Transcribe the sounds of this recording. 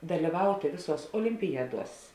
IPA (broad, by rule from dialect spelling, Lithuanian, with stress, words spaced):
dɐlʲɪˈʋɐʊtʲeː ˈʋʲeːˌsuɔs oːlʲɪmʲpʲɪˈjæːˌduɔs